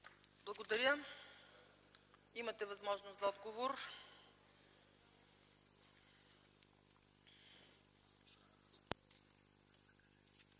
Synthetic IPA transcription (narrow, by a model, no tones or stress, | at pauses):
blˠɐɡod̪ɐɾʲjə | imɐt̪ɛvɐzmɔʒnʊszɐɔd̪ɡovoɾ